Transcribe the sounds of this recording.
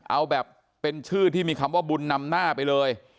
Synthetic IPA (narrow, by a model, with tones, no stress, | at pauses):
ʔa˧wbɛː˨˩pː | e˧nt͡ɕʰɯː˥˩t̪ʰiː˥˩miː˧kʰa˧mwaː˥˩bu˧nːa˧mnaː˥˩pa˧jlɤː˧j